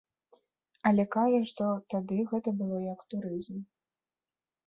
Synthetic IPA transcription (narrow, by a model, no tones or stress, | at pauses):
ɐlʲɛkaʐɐʂt̪ɔt̪ad̪ɨɣɛt̪ɐbɨlˠɔjɐkt̪uɾɨzm